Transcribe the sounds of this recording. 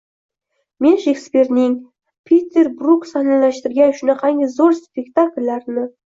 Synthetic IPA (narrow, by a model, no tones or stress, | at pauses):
me̞nʒekspʲe̞ɾnɪŋ | pʲʰet̪ʲːeɾbruksɑnɑlæʃt̪ɪɾɡʲæʏʃɪnɪqʰɑŋɡɪzoɾspʲekt̪akʲɪlʲːæɾnə